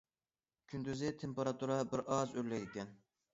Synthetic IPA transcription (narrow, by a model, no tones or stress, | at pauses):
kʲʰynd̪yzɪt̪ʰempeɾɑt̪ʰuɾɑbɪɾʔɑzølɛɪkʲɛn